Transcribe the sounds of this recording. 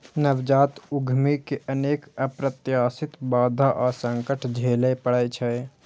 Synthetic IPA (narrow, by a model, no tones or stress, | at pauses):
nəʋd͡ʒaːt̪uɡʱmikeʔəneːkəpɾət̪jaːsit̪baːd̪ʱaʔasə̃ŋkəʈʰd͡ʒʱeːləpəɽət͡ʃʰɛ